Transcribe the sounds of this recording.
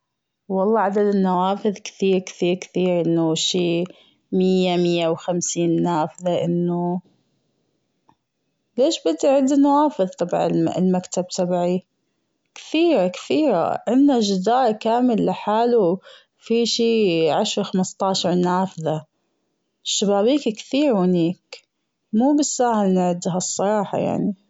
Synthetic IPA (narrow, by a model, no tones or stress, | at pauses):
wɑlˤːɑːʕad̪ad̪ɪnːawaːfɪðkɪ̥θiːɾkθiːɾkθiːɾʔɪnːuʃiː | mɪjːamɪjːawxamsiːnːaːfðaʔɪnːu | leːʃbɪd̪ːiʕɪd̪inːawaːfɨðt̪ˤɑbʕa̰lmakt̪ab̚t̪ˤabʕi | kθiːɾakθiːɾa̰ʔɪnːaʒɪd̪aːɾkaːmɪlːɪħaːlu | fiʃiːʕaʃɾxamɪst̪ˤɑːʃɑɾˤnaːfɪða | ʃːabaːbiːkkθiːɾwɪniːk | muːbɪsːaːhɪlnɪʕɪd̪ɦasˤːɑɾˤɑːħɑ̰ja̰ʕni